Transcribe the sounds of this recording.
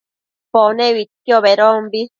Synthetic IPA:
poneβit̪kioβeɾombi

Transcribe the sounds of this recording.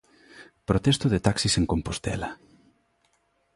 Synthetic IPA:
pɾot̪ɛst̪ʊðet̪aksiseŋkompost̪ɛlɐ

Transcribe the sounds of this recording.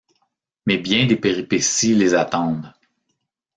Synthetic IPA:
mɛbjɛ̃d̪epeʁipesilezat̪ɑ̃ːd̪

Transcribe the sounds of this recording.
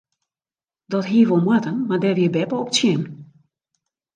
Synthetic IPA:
d̥ɔtɦiəvolˠmwatənmardɛʋiəbɛpəɔpə̥tsjɪm

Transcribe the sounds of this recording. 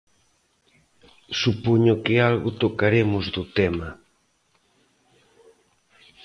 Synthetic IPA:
supoɲʊkɪalɣʊt̪okaɾemʊzðʊt̪ɛmɐ

